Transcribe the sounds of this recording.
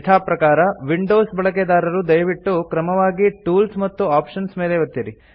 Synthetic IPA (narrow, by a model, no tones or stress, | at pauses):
t̪ʰaːpɾɐkaːɾɐʋiɳɖoːsbɐɭɐk̬ed̪aːɾɐɾud̪ɐjʋiʈːukɾɐmɐʋaːɡiʈuːlsmɐt̪ːuaːpʂɐnsme̞ːleʋɐt̪ːjɐɾi